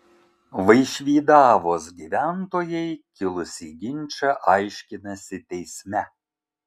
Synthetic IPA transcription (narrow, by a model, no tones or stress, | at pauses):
ʋɐjʃʲʋʲiːd̪ɑʋosɡʲiʋʲænt̪oːjejkʲɪlˠʊsʲiɡʲɪnʲt͡ʃʲɛʔɑjʃʲkʲɪnɐsʲɪt̪ʲɛjsʲmʲæ